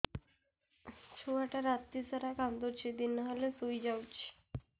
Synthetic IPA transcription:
t͡ɕʰoaʈaɾat̪ːisaɾakãnd̪oɾt͡ɕʰid̪inːaɦalesujd͡ʑawt͡ɕʰi̥

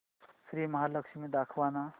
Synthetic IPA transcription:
sɾiːmɐɦaləkʃimẽd̪akʰʋana

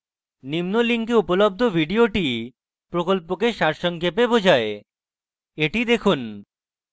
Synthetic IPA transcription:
nimnoliŋkeupolob̚d̪ʱobʱiɖioʈi | pɾokolpokeʃaɾʃɔŋkepebod͡ʑʱae | eʈid̪ekʰun

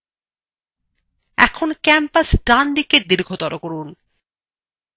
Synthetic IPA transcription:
ɛ̰kʰonkɛmpasɖand̪iked̪iɾkʰot̪ɔɾokoɾun

